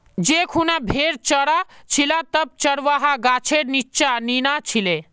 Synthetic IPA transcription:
d͡ʒekʰunabʱeɾt͡ʃəɽat͡ʃʰilat̪əb̚t͡ʃəɽʋaɦaɡaːt͡ʃʰeɾnit͡ʃaninat͡ʃʰile

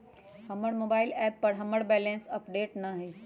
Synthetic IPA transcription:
hɐməɽmoːbaːɪlɛːpːɐɾɦɐməɽbɛːlẽːnsɐpɖeːʈnɐɦe

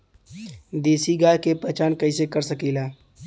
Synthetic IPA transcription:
d̪eːsiɡaːjkepɐt͡ʃaːnkɐisekəɾsəkiːlaː

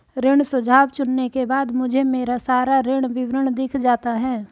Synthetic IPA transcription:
ɾɪɽ̃sʊd͡ʒʱaːwt͡ʃʊnːekebaːd̪mʊd͡ʒʱemeːɾasaːɾaɾɪɽ̃ʋɪʋɾəɽ̃d̪ɪkʰd͡ʒaːt̪aɦɛː

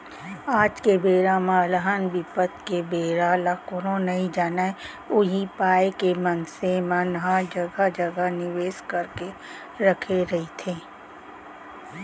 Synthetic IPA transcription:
aːd͡ʒkebeːɾãmãləɦənbɪpət̪kebeːɾalakoɾõnɐɦĩd͡ʒaːna | ʊɦipaːekemɐnsemənɦad͡ʒəɡad͡ʒəɡənɪʋeːskɐɾke | ɾɐkʰeɾɐɦit̪ʰẽː

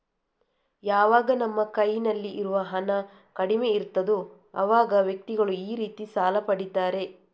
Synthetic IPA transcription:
jaːʋaːɡɐnɐmːɐkɐjnɐlːiʔiɾuʋɐɦɐnɐ | kɐɽime̞iɾt̪ːɐd̪u | ɐ̰ʋaːɡɐʋjɐk̚t̪iɡɐɭuiːɾiːt̪isaːlɐpɐɽit̪aːɾe̞

